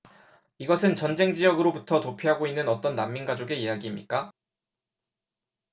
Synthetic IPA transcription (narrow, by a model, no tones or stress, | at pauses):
iɡʌsʰɯnt͡ɕʌnd͡ʑe̞ŋd͡ʑijʌɡɯɾobutʰʌtopʰiɦaɡoinːɯnʌt͈ʌnːamːinɡad͡ʑoɡe̞ijaɡiːmɲḭk͈a